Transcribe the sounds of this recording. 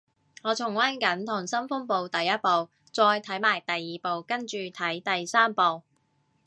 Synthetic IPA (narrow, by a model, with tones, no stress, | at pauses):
ŋɔː˨˧t͡sʰʊ˨˩ŋwaː˥nkɐ˨˥nt̪ʰʊ˨˩ŋsɐ˥nfʊ˥ŋpo˨˧wt̪ɐ˨jːɐ˥t̚po˨w | t͡sɔː˧jt̪ʰɐ˨˥jmaː˨˩jt̪ɐ˨jːiː˨˧po˨wkɐ˥nt͡ʃyː˨˧t̪ʰɐ˨˥jt̪ɐ˨jsaː˥mpo˨w